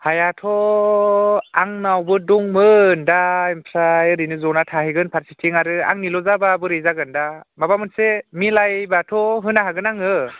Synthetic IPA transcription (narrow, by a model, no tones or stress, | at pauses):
hajatʰɔ | aŋnawbɯduŋmɯndaimpʰɾajɾinɯzɔnatʰaɦiɡɯnpʰaɾsitʰiŋaɾɯa̰ŋnilɔzababɯɾɯjzaɡɯndamabamɯnsemilajbatʰɔɦɯnaɦaɡɯnaŋɯ